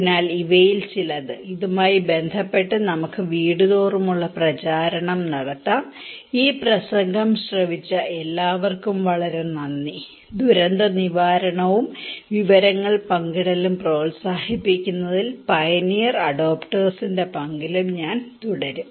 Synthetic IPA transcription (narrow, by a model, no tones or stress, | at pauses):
pnaːliʋɐjilt͡ɕilɐðɨiðumaːjibe̞nd̪ʱɐpːe̞ʈːɨnɐmukːɨʋiːɽuðo̞ːrumuɭːɐprɐt͡ɕaːɾɐɳɐmnɐɽɐt̪ːaːm | iːprɐsɐŋɡʱɐmɕrɐʋit͡ɕːɐʔelːaːʋɐrkumʋɐɭɐɾemnɐnːi | d̪uɾɐnd̪ɐniʋaːɾɐɳɐʋumʋiʋɐɾɐŋːɐɭpɐŋɡiɽɐlumpro̞ːlsaːhipːikʲːunːɐðilpɐjɐnijɐrɐɽoːpʈɐːrsinde̞pɐŋɡilumɲaːnt̪uɽɐɾum